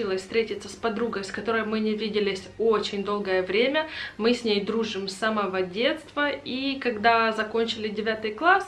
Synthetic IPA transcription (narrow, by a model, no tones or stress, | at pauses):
ilˠəsʲfst̪ʲɾʲetʲɪt̪səspɐd̪ɾuɡəjskɐt̪o̞ɾəjmɨnʲɪvʲidʲɪlʲɪsʲo̞t͡ɕɪnʲd̪o̞lˠɡəjəvɾʲemʲəmɨsʲnʲejd̪ɾuʐɨmsɐməvodʲe̞t̪st̪vəikɐɡd̪azɐko̞nʲt͡ɕɪlʲɪdʲɪvʲat̪ɨjklˠas